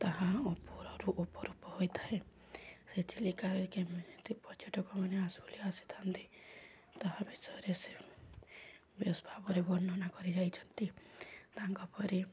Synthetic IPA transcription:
t̪aɦãɔpɔɾɔɾuʔopɔɾupɔɦojt̪ʰaẽ | set͡ʃilikaɾkemenet̪ipɔɾt͡ʃɔʈɔkɔmaneasɔliasi̥t̪ʰant̪i | t̪ɔɦãbisɔɾese | besbʱabɔɾebɔnːɔnakɔɾid͡ʒajt͡ʃʰɔnt̪it̪aŋkɔpɔɾi

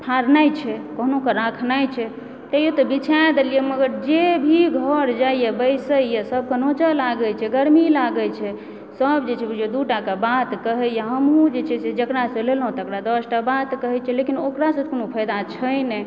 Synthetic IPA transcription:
pʰaɾnajt͡ʃʰɛkəɦnokeɾakʰnajt͡ʃʰɛ | t̪əjot̪ɔbit͡ʃʰad̪elijeməɡəɾd͡ʒebʱiɡʱəɾd͡ʒaijebəɪsəjesəb̚ʱkənot͡ʃəlaɡəlt͡ʃʰɛɡəɾmilaɡət͡ʃʰɛ | səbd͡ʒet͡ʃʰɛd͡ʒed̪uʈakebat̪kəɦɛjaɦəmɦũd͡ʒet͡ʃʰɛsed͡ʒəkɾasə̃lelɦũt̪əkɾad̪əsʈabat̪kəɦɛt͡ʃʰɛlekinokɾasə̃konopʰəjd̪at͡ʃʰəjnɛ

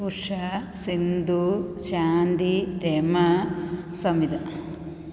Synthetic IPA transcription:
uʂɐ | sind̪ut͡ʃaːnd̪iɾeːmɐ | sɐmid̪ɐ

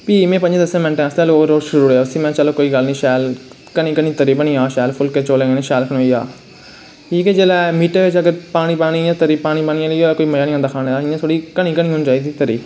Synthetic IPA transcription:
piːmẽːpə̃ɲd͡ʒ̃d̪əsẽːmɛ̃ɳʈẽːst̪eːloːɾoːʃəɾuːɾɛːʊsĩːmɛ̃ːt͡ʃəlõːkoːiːɡəlnĩːʃɛːl | kənĩːkənĩːt̪əɾiːbənĩːaːʃɛːlpʰʊlkeːt͡ʃoːlẽːɡeːnẽːʃɛːlkʰənoːiːa̰ː | iːkeːd͡ʒeːlaːmiːʈeːʋɪt͡ʃəɡəɾpaːñiːpaːñiãːt̪əɾiːpaːɽ̃iːpaːnɪ̃jãːləiːoːkoːiːməjaːnĩːãːd̪aːkʰaːnẽːd̪aɪjãːt̪ʰoːɽiːkəñĩːkənĩːɦʊnd͡ʒaːiːd̪iːt̪əɾḭː

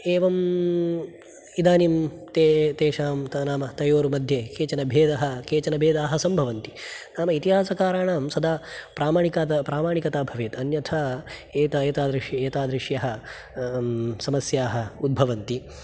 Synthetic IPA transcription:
eːʋɐm | id̪aːnimt̪et̪eːʃaːmnaːmɐt̪ɐjoːɾumɐd̪ʱjekeːt͡ʃɐnɐbʱeːd̪ɐɦɐ̆keːt͡ʃɐnɐbʱeːd̪aːɦɐsɐmbʱɐʋɐnt̪inaːmɐit̪iɦaːsɐkaːɾaːɳaːmsɐd̪aːpɾaːmaːɳikaːt̪ɐpɾaːmaːɳikɐt̪aːbʱɐʋeːt̪ɐnjɐt̪ʰaːeːt̪ɐeːt̪aːd̪ɾiʃjɐeːt̪aːd̪ɾiʂjɐɦɐ̆ | sɐmɐsjaːɦɐ̆ud̪̚bʱɐʋɐnt̪i

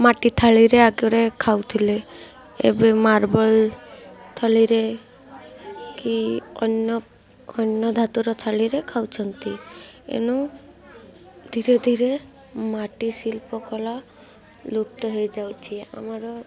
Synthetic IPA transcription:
maʈit̪ʰaɭiɾeaɡɔɾekʰawt̪ʰile | ḛbemaɾbɔl | t̪ʰɔliɾe | kiɔ̰nɔ | ɔnːɔd̪ʱat̪uɾɔt̪ʰaɭiɾekʰawt͡ʃʰɔnt̪iḛnu | d̪ʱiɾed̪ʱiɾe | maʈisilpɔkɔla | luk̚t̪ɔɦejd͡ʒawt͡ʃʰia̰mɔɾɔ

